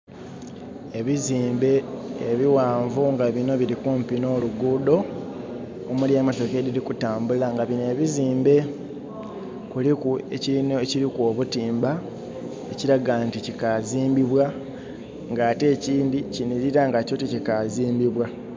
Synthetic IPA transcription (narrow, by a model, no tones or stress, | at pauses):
e̞βiziːmbe̞ːβiwaːɱvuŋɡaβino̞βiɾikuːmpino̞ːluɡuːdo̞ | omuljaːmato̞ke̞ɾilikutaːmbulaŋɡaβine̞βiziːmbe̞ | kulikuecineciɾikoβutiːmba | eciɾaɡanticikaziːmbiβwa | ŋɡaːte̞ːciːndiciniɾiɾaŋɡaco̞ticikaziːmbiβwa